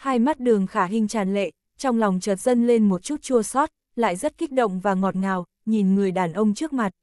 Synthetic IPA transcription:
haː˧jma˦˥t̚ɗɨ˨˩əŋxaː˧˩ɦï˧ŋ̟t͡ɕaː˨˩nlḛ˧˨ | t͡ɕɔ˧wŋ͡mlɔ˨˩wŋ͡mt͡ɕəː˨˩t̚z̥ə˧nle˧nmo˨˩t̚t͡ɕu˦˥t̚t͡ɕu˧əsɔ˦˥t̚ | la̰ː˧˨jzə˦˥t̚ki˦˥k̟̚ɗə̰˧˨wŋ͡mvaː˨˩ŋɔ˨˩t̚ŋaː˨˩w | ɲi˨˩nŋɨ˨˩əjɗaː˨˩nʔə˧wŋ͡mt͡ɕɨ˦˥ək̚ma˨˩t̚

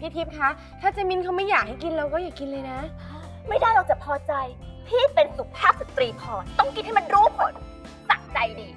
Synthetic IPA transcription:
pʰi˥˩t̪ʰi˦˥p̚kʰa˦˥ | t̪ʰaː˥˩t͡ɕaː˧mi˧nkʰa˦˥wma˥˩jːaː˨˩k̚ha˥˩jki˧nɾːwkɔː˥˩jaː˨˩kki˧nlɤː˧jna˦˥ | ma˥˩jdaː˥˩jɾa˧wt͡ɕa˨˩pʰɔː˧t͡ɕa˧jt̪ʰiː˥˩pe˧nsu˨˩k̚pʰaː˥˩p̚sa˨˦t̪ɾiː˧pʰɔː˧t̪ɔ˥˩ŋki˧nha˥˩jma˧nɾuː˦˥pʰo˨˩n | sa˨˩ŋ̚t͡ɕa˧jdiː˧

